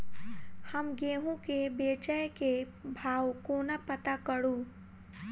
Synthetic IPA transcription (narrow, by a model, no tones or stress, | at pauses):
həmɡeːɦũkebeːt͡ʃəjke | bʱaːwkoːnapət̪akəɽũː